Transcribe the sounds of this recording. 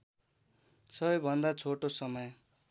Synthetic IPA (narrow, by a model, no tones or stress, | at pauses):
sʌbʌjbʱʌnd̪at͡sʰoʈosʌmʌj